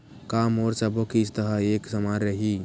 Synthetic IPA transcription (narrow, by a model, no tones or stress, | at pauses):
kamɔːɾt͡ʃəbokist̪əɦəeksəmaɾːəɦi